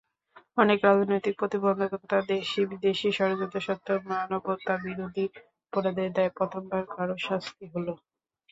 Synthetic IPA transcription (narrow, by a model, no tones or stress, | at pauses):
ɔnekɾad͡ʑʱnojt̪ik̚pɾot̪ibɔnd̪ʱok̪ot̪ad̪eʃibid̪eʃiʃɔɾod͡ʑot̪eʃɔt̪ːomanoboɾt̪abiɾod̪ʱi | poɾad̪eɾd̪aepɔt̪ʰombaɾkaɾoʃast̪iɦolo